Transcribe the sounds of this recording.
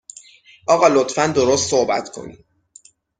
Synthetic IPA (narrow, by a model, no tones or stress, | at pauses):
ʔɒːɣɒːlot̪fænd̪o̞ɾost̪sohbæ̰t̪ʰkʰo̞̰nḭ̥